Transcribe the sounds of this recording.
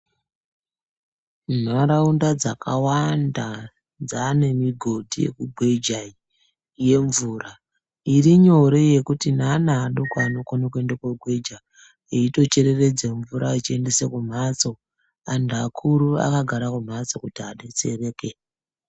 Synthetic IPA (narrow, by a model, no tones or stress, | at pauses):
n̤aɾaundad͡zakʰawanda | d͡zane̞miɡʱo̞dʱijḛkuɡʱwe̞d͡ʒai | je̞ɱvuːra | iriɲo̞ɾe̞je̞kutinanaːɗokaːno̞konakue̞ndekwaɡʱwe̞d͡ʒa | eito̞t͡ʃe̞ɾe̞re̞d͡zeɱvuɾait͡ʃie̞nde̞sekum̤at͡so̞ | andakʰuɾua̰kaɡʱaɾakum̤at͡so̞kutiaɗet͡sere̞ːke